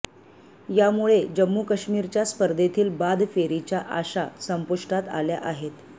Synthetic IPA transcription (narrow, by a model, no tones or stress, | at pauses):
jamuɭed͡ʑəmːukəɕmiːɾt͡ɕjaspəɾd̪ʱet̪ʰiːlbad̪ʱfeɾit͡ɕjaʔaɕasəmpuʂʈat̪a̰lja̰ʔaɦet̪